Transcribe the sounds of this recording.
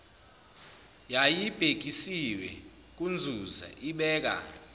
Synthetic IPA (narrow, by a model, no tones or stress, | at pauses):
jajib̥ʱeɡ̥̬ʱʼisiwɛ̰ | k̬ʼund͡zʱuza̰ʔiɓɛːk̬a̰